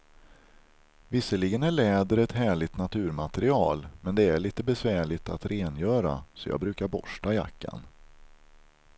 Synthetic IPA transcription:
vɪsːəlɪɡənæɭɛːd̪əɾɛt̪hæːɭɪt̪nat̪ʰʉ̟ːɾmat̪ɾɪɑːlmɛnd̪ɛæɭiːt̪əbɛsvæːɭɪt̪at̪ɾʔeːnjœːɾa̰sɔjɑ̰ɡbɾʉ̟ːkaɾbɔʂʈaja̰kːa̰n

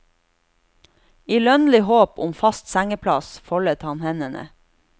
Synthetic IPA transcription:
iːlœnlɪhoːpʊmfɑst̪sæŋəpʰlɑsfɔɭət̪hɑnhɛnənə̰

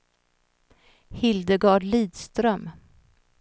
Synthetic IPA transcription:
hɪld̪əɡɑɖliːd̪st̪ɾœm

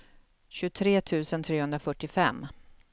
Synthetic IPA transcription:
ɕɵt̪ʰɾeːt̪ʰʉ̟ːsənt̪ʰɾeːhɵnd̪ɾafœʈːɪfɛ̰mː

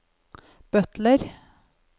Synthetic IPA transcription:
b̥œt̪ləɾ

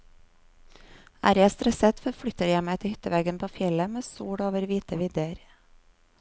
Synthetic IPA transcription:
ʔæ̰ːɾjæɪst̪ɾɛsət̪fɔɾfɽʏt̪əɾjæɪmæɪt̪əhʏt̪əʋeːɡənpʰoːfjɛləmeːsuːɽoːʋəɾʋiːt̪əʋɪd̪əɾ

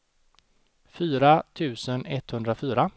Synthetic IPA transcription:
fyːɾat̪ʰʉ̟ːsənɛt̪hɵnd̪ɾafyːɾa

